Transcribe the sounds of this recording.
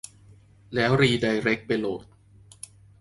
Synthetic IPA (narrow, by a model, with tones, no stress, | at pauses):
lɛː˦˥wɾiː˧da˧jɾe˦˥k̚pa˧jloː˨˩t̪̚